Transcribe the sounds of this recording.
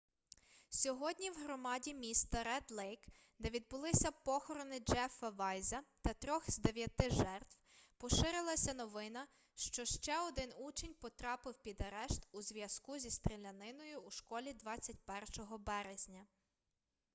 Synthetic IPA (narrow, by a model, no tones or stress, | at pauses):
sʲɔɦɔdʲnʲiwɦɾɔmɑdʲimʲist̪ɐɾɛd̪lˠɛjk | d̪ɛʋʲid̪̚bʊlˠɪsʲɐpɔxɔɾɔnɪd͡ʒɛfɐʋɑjzɐt̪ɐt̪ɾʲɔxzd̪eʋʲjɐt̪ɪʒɛrt̪wpɔʃɪɾɪlˠɐsʲɐnɔʋɪnɐ | ʃt͡ʃɔʃt͡ʃɛɔd̪ɪnut͡ʃenʲpɔt̪ɾɑpɪwpʲid̪ɐɾɛʃt̪uzʋʲjɐskuzʲist̪ɾelʲɐnɪnɔjʊːʃkɔlʲid̪ʋɑt͡sʲːɐt̚ʲpɛrʃɔɦɔbɛɾezʲnʲɐ